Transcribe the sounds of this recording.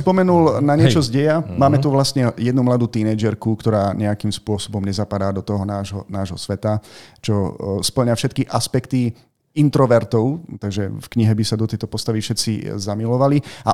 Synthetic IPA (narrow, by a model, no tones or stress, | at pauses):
spɔmɛnulnaɲɪɛt͡ʃɔzɟɛjamaːmɛt̪uʋlast̪ɲɛjɛd̪numlad̪uːt̪iːnɛjd͡ʒɛɾkukt̪ɔɾaːɲɛakimspʊɔsɔbɔmɲɛzapad̪aːd̪ɔt̪ɔɦɔnaːʒɦɔnaːʒɦɔsʋɛt̪at͡ʃɔspl̩ɲafʃɛt̪kiʔaspɛkt̪i | int̪ɾɔʋɛɾt̪ɔʊt̪aɡʒɛfkɲiɦɛbisad̪ɔt̪ɛjt̪ɔpɔst̪aʋifʃɛt̪t͡sḭzamilɔʋalia̰